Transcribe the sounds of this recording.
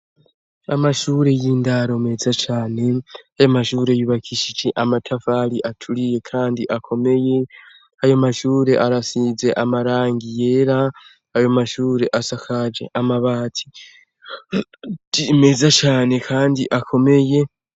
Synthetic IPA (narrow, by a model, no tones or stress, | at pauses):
amaʃuːɾe̞jiːndaɾo̞me̞zat͡ʃaːne̞ajomaʃuːɾe̞juβakʰiʃit͡ʃiʔamatʰafaliʔatʰulije̞kʰaːndiʔakʰo̞me̞je̞ | ajomaʃuːɾe̞ʔaɾasize̞ʔamaɾaːŋɡije̞ːɾa | ajo̞maʃuːɾe̞ʔasakʰad͡ʒe̞̰ʔamaβaːtʰi̥ | ime̞zat͡ʃaːne̞kʰaːndḭʔakʰo̞me̞je̞